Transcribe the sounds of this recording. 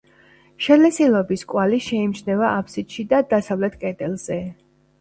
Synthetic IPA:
ʃɛlɛsilˠɔbiskʼwaliʃɛimʃnɛvaʔapʰsit̪ʃid̪ad̪asavlɛt̪ʰkʼɛd̪ɛlˠz̥ɛ

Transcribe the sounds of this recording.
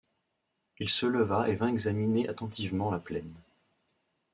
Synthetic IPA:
ilsələvaʔevɛ̃ɛɡzamineʔat̪ɑ̃t̪ʰivmɑ̃laplɛn

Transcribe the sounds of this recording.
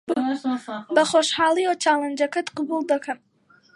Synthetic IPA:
bɐχoːʃhaːlˠiot͡ʃʰaːlɐnd͡ʒɐkɐt̪qɑbulˠd̪ɐkʰɐn

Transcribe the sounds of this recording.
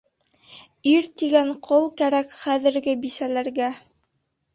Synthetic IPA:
iɾt̪iɡæɴqʰolˠkæɾækχæðɘ̆ɾɡɘbisælæɾɡæ

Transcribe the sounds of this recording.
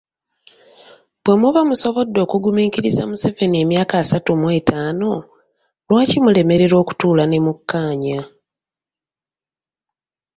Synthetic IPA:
b̥we̞muβamuso̞βo̞dːo̞ːkuɡumiːciɾiza̰muse̞ve̞nie̞mjaːkaːsatumwe̞ːtʰaːno̞ | lwaːcimule̞me̞ɾe̞ɾo̞ːku̥tuːlane̞mukːaːɲa

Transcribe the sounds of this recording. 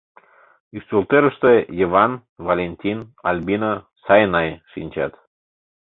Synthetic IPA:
yst̪ult̪eɾəʃt̪ejəvɑn | valʲenʲt̪ʲinɑlʲbʲino | sɑjnɑjʃinʲt͡ɕɑ̰t̪

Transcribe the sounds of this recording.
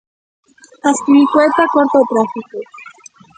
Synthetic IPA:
askiɾikwet̪akwaɾt̪ot̪ɾafiko

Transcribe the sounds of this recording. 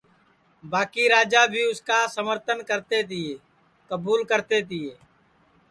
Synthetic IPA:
baːkiːɾaːd͡ʒaːbʱiːʊskaːsəməɾt̪ənkəɾt̪eːt̪ɪeː | kəbuːlkəɾt̪eːt̪ɪeː

